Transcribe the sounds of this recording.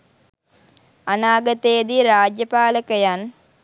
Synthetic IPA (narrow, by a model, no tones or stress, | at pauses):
anaːɡət̪eːd̪iɾaːd͡ʒjɐpaːləkəjan